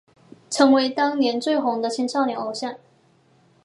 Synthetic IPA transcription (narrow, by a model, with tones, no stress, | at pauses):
ʈ͡ʂʰɤ˧˥ŋwe˧˥ɪt̪ɑ˥ŋnjɛ˧˥nt͡swe˥˩ɪxʊ˧˥ŋd̪ə˧t͡ɕʰɛ˧˥nʂʰɑ˥˩ʊnjɛ˨˩ŋo˧˥ʊɕja˥˩n